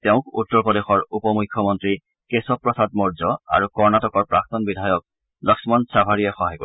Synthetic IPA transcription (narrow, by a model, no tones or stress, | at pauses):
teʊ̃kṵt̪ːɔɹpɔdexɔɹupɔmukʰːjɔmɔntɹi | kesɔpːɹɔsad̚mɔɹzɔa̰ɹukɔɹnatɔkɔɹpɹak̚t̪ɔnbidʱajɔk̚ | lɔksɔmɔnsabʱaɹijɛxɔɦajko